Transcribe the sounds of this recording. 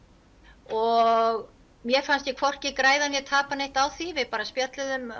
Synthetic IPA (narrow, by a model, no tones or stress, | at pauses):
ɔɣ | mjɛfanst̪jɛkʰvɔr̥cɪkɾaːjðanjɛt̪ʰaːpanejht̪awθivɪðpaːɾaspjat̪lʏðʏm